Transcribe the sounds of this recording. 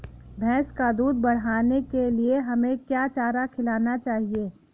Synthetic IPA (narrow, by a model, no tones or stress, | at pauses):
bʱɛ̃ːskad̪uːd̪̚bɐɽ̤aːnekelieɦɐmẽkjaːt͡ʃaːɾakʰɪlaːnat͡ʃaːɦieː